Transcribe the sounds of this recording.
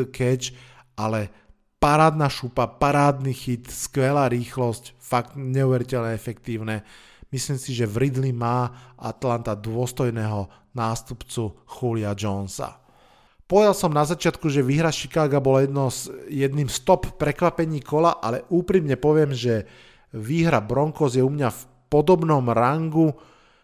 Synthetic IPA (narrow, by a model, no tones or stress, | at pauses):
kʰɛt͡ʃ | ʔalɛ | paɾaːd̪naʃupapaɾaːd̪niːxit̪skʋɛlaːɾiːxlɔscfakt̪ɲɛuʋɛɾicɛʎɲɛɛfɛkt̪iːʊnɛ | misliːmsiʒɛvɾid̪limaːʔa̰t̪lant̪ad̪ʊɔst̪ɔjnɛɦɔ | naːst̪upt͡suxuliad͡ʒɔnsa̰ | pɔʋɛd̪alsɔmnazat͡ʃɪat̪kuʒɛʋiːɦɾaʃi̥kaːɡabɔlajɛd̪nɔsjɛd̪niːmst̪ɔppːɾɛkʋapɛɲiːkɔlaʔalɛʔuːpɾimɲɛpɔʋɪɛmʒɛ | ʋiːɦɾabɾɔŋkɔzjɛumɲaf | pɔd̪ɔbnɔmɾaŋɡu